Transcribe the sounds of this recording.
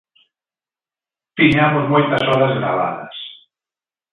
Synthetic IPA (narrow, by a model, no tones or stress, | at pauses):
piɲamozmolt̪asɔðazɾa̰βa̰ðɐ̰s